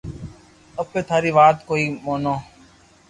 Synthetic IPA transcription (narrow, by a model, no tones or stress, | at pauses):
əbeːt̪ʰaːɾiːʋaːt̪koːiːmoːnoː